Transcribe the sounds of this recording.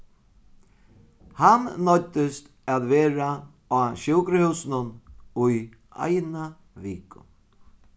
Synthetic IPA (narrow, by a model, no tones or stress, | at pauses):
hannɔt̪ːɪst̪ | aðʋɛːɾa | aːʃɪwkɾɪhʉwsɪnʊnʊj | a̰jna | viːkʊ̰